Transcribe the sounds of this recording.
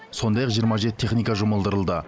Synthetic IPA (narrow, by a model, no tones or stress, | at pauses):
so̞nd̪ɑjɑqʒijəɾmɑʒe̞t̪ɪeχnijkɑʒʊməlˠd̪əɾəlˠd̪ə